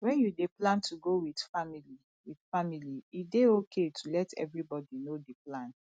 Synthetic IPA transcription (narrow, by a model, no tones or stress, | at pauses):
wɛ̃njudeplãntʰuɡowidfamili | wid̥familiideokʰetʰulɛtʰɛ̰vɹibɔdinodeplãn